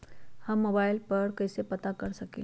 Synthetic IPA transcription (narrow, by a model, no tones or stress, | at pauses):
hamobajlpəɾkəjsepət̪akəɾsəkḭl